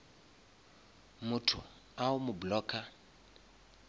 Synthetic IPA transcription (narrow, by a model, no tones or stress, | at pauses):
mʊtʰʊ | aʊmʊblɔːkʰa